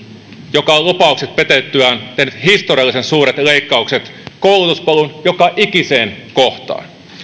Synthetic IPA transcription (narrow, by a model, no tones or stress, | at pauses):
jokɑllupɑukset̪̚pet̪et̪ːyæːnt̪ehnyt̪hist̪oriɑlːˑisensuːɾet̪leikːɑukset̪koulut̪uspɑlunjokɑʔikiseːnkoht̪ɑ̰ːn